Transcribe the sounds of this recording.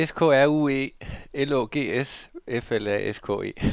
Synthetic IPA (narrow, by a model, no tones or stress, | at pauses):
eskʰɔ̰ːæɐ̰ṵːe̝̰ːeloːɡ̥e̝̰ːesefelæ̰ʔeskʰɔ̰ːe̝̰ː